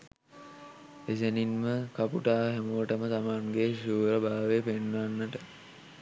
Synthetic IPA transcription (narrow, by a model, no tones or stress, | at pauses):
eseninməkapuʈaːɦɛmuʋəʈəmət̪amaŋɡeʃuːɾəbʱaːʋepenːanːəʈə